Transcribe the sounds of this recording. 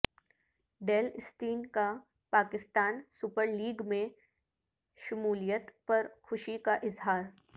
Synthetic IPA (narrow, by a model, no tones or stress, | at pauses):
ɖeːlsʈiːnka | paːkɪst̪aːnsʊpəɾliːɡmẽ | ʃʊmuːlijət̪pɐɾxʊʃikaʔɪzɦaːɾ